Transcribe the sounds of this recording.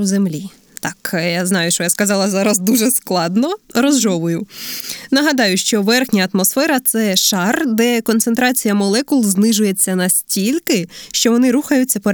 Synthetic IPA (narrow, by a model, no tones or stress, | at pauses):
zemlʲi | t̪ɑkjaznɑjʊʃt͡ʃɔjaskɐzɑlˠɐzɑɾɐzd̪uʒɛsklˠɑd̪nɔɾɔzʒɔʋʊjʊnɐɦɐd̪ɑjʊʃt͡ʃɔʋɛrxnʲɐːt̪mɔsfɛɾɐt̪sɛʃɑrd̪ɛkɔnt̪sent̪ɾɑt͡sʲijɐmɔlˠɛkʊlˠznɪʒʊjet͡sʲːɐnɐsʲtʲilʲkɪʃt͡ʃɔʋɔnɪɾuxɐjʊtʲt͡sʲːɐpɔ